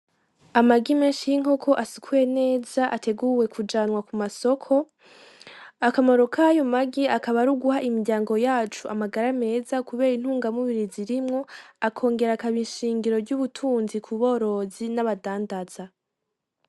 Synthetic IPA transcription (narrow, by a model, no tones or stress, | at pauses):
amaɡimeːnʃijiŋo̞kʰo̞ʔasikʰuje̞ne̞ːzaʔatʰe̞ɡuːwe̞kʰud͡ʒaːnwakumaso̞kʰo̞ | akamoɾo̞kʰaːjomaɡiakaβaɾuɡuɦaʔimiɡɟaːŋɡo̞jaːt͡ʃuʔamaɡaɾame̞ːzakuβe̞ːɾin̥huːŋɡamuβiɾiziɾimŋo̞akʰo̞ːŋɡe̞ɾakaβiʃiːŋɡiɾo̞ɾɟuβutʰuːnzikʰuβo̞ːɾo̞zinaβadaːndaz̥a